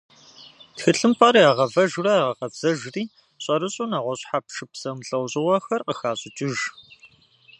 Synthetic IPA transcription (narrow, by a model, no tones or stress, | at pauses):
txɨɬɨmpʼaɾaːʁɐvɐʒrɐaːʁɐqɐbz̥ɐʒriː | ɕʼɐɾɨɕʼunaːʁʷɔɕʼħapʂɨpsɐmɬʼɐwɕʼɪʁɐxɐrqəxaːɕʼɪt͡ʃʼɪʒ